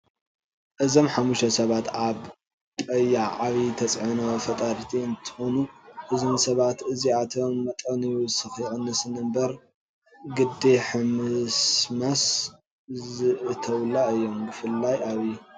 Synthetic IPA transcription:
ʔɨzo̞mħamuʃɐsɐβat̪aβ | tʼɐjːaʕaβit̪ʰɐt͡sʼʕɨnofɐt̪ʼaɾt̪ʰiɨnt̪ʰɨ̥xo̞nuʔɨzɨnsɐβat̪ɨziat̪ʰo̞mːɐt̪ʼɐnijusɨxijʕɨnːɨsɨnɨmbɐɾ | ɡɨd̪eħɨmɨsmɐs | zɨt̪ʰɐwlaɨjːo̞mbɨfɨlːajʔaβij

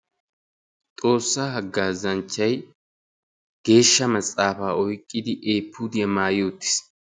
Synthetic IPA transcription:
t̪ʼo̞ːsːaːhɐɡːaːzɐnt͡ʃːɐj | ɡ̥e̞ːʃːɐmɐsʼːaːfaːɔjkʼːɪd̪ɪʔeːpʰːud̪ɪjɐmaːjoːt̪ːɪ̥s

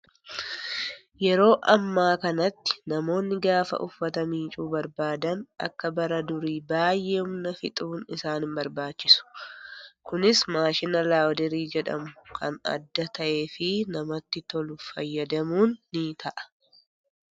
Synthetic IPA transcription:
jɛɾo̞ːʔɐmːaːkɐnɐt̪ːɪ̥nɐmo̞ːnːɪɡaːfɐ̰ʔʊfːɐt̪ɐmiːt͡ʃʼuːbɐɾbaːd̪ɐnʔɐ̰kːɐbɐɾɐd̪ʊɾiːbaːjːʔeːhʊmnɐfɪt̪ʼuːnɪsaːnɪmbɐɾbaːt͡ʃːɪsʊ̥ | kʊnɪsmaːʃɪnɐlaːwd̪ɛɾiːd͡ʒɛᶑɐ̰mʊkʰɐ̰nɐ̰d̪ːɐt̪ʰɐʔe̞ːfɪnɐmɐt̪ːɪt̪ɔlʊfɐjːɐd̪ɐmuːnːit̪ʰɐʔɐ̥

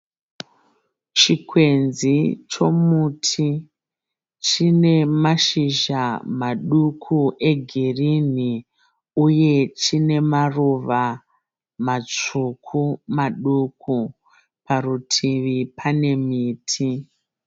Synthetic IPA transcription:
t͡ʃikʰwe̞nzit͡ʃo̞mutʰi | t͡ʃine̞maʃiʒamaɗukʰuʔe̞ɡʱirini | uje̞t͡ʃine̞maruʋa | mat͡ʂukʰumaɗukʰu | parutʰiʋipʰane̞miːtʰi

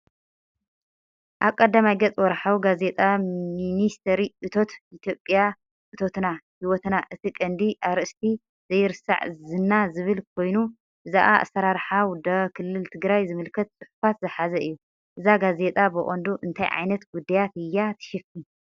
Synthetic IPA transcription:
ʔaβkʼɐd̪ːamajɡɐt͡sʼwɔɾħawɡaze̞t̪ʼaminist̪ʰɐɾiʔɨt̪ʰo̞t̪ʔit̪ʰjo̞pʼːja | ʔɨt̪ʰo̞t̪nahiwɔt̪naʔɨt̪ʰikʼɐnd̪iʔaβɾɨʔɨst̪ʰi | zɐjɪɾɨsa̰ʕzɨnːazɨβɨlkʰo̞jnu | ʔɨzaʔaʔa̰sːɐɾaɾħawd̪ɐkʰɨlːɨlt̪ʰɨɡɾajzɨmɨlkʰɐt̪̚t͡sʼɨħfat̪zɨħazɐɨjːu | ʔɨzaɡaze̞t̪ʼabɨʔʼond̪uʔɨnt̪ʰajʕa̰jnɐt̪ɡud̪ːajat̪ɨjːat̪ʰɨ̥ʃɪfi

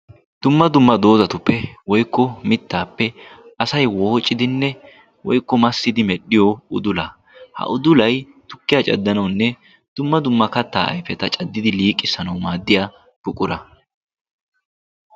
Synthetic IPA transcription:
d̪̥ʊmːɐd̪ʊmːɐd̪o̞ːzɐt̪ʊpːɛwɔjkːɔmɪt̪ːaːpːɛʔɐsɐjwoːt͡ʃʼːɪd̪ɪnːɛ | wɔjkːɔmɐsːɪd̪ɪmɛɗɪjɔʊ̰d̪ʊlɐː | hɐ̰ʔʊd̪ʊlɐj | t̪ʊkːɪjaːt͡ʃʼɐ̰d̪ːɐnɐwnːɛ | d̪̥ʊmːɐd̪ʊmːɐkɐt̪ːa̰ːʔɐ̰jfɛt̪ɐt͡ʃʼɐd̪ːɪd̪ɪliːkʼːɪsɐnɐwmaːd̪ːɪjaː | b̥ʊkʼʊɾɐ

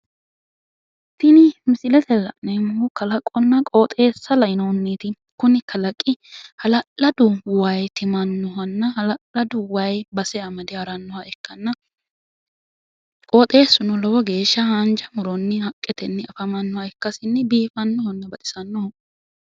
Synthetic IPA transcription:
t̪ːɪnɪmɪsɪlɛt̪ʰɛlɐ̰ʔnemʊkɐlɐkʼːɔnːɐkʼoːt̪ʼe̞ːsːɐlɐɪnonːeːt̪ɪ | kʊnɪkʰɐlɐkʼːɪhɐlɐlːɐd̪ʊwɐjt̪ɪmɐnːɔɦɐnːɐhɐlɐlɐd̪ʊwɐjbɐsɛɐmɐd̪ɪhɐɾɐnːɔhɐɛkːɐnːɐ | kʼoːt̪ʼe̞ːsːʊnɔlɐwɔɡe̞ːʃːɐhɐnd͡ʒɐmɔɾɔnːɪhɐkʼːɛt̪ɛnːɛɐfɐmɐnːɔhɐɛkːɐsɪnːɛbiːfɐnːɔhɔnːɐbɐt̪ʼɪ̥sɐnːɔhɔ

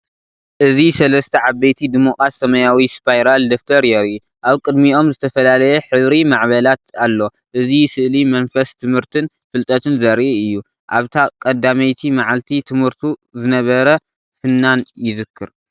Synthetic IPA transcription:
ʔɨzisɐlɐst̪ʰɐʕaβːejt̪ʰid̪imokʼɾasːɐmɐjawispʰajɾald̪oft̪ʰɐɾjɛɾiʔu | ʔaβkʼɨd̪mio̞mzɨt̪ʰɐfɐlalɐjɛħɨβɾimaʕβɐlat̪alːo̞ | ʔɨzisɨʔlimɐnfɐst̪ʰɨmhɨɾt̪ʰɨn | fɨlt̪ʼɐt̪ʰɨnzɐɾiʔɨjːu | ʔa̰βt̪ʰakʼɐd̪ːamɐjt̪ʰimaʕalt̪ʰit̪ʰɨmhɨɾt̪ʰuzɨnɐβɐɾɐ | fɨnːanjɪzɨkʰːɨɾ

